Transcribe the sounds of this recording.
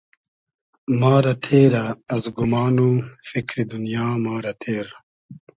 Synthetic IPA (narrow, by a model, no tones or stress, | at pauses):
maːɾɐt̪ʰeːɾɐːzɡumaːnufikɾid̪unijaːmaːɾɐt̪ʰeːɾ